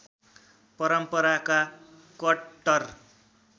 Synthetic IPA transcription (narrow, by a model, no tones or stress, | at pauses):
pʌɾʌmpʌɾaka | kʌʌr